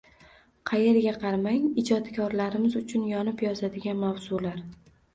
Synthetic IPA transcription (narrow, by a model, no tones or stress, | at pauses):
qʰɑje̞ɾɡʲaqʰɑɾmaŋɪd͡ʒɒt̪kʲʰɒɾlaɾɪmɪzʊt͡ʃʰʊnjɒnɪpjɒzad̪ɪɡʲanmawz̥ʊlaɾ